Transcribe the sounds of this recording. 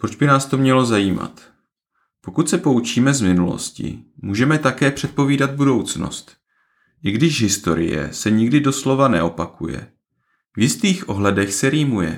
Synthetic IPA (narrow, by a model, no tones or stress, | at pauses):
pɾod͡ʒbɪnaːst̪o̞mɲɛlo̞zajiːma̰t̪ | po̞kut̪sɛpout͡ʃiːmɛzmɪnulo̞̰scɪ̰muːʒɛmɛt̪akɛːpr̥ɛt̪̚po̞viːdad̪̚budo̞wt͡sno̰st̪ | ʔɪɡdɪʃɦɪst̪o̞ɾɪ̰jɛ̰sɛɲɪɡdɪdo̞slo̞vanɛ̰o̞pakujɛ̰ | vjɪst̪iːxʔo̞ɦlɛdɛxsɛɾiːmujɛ̰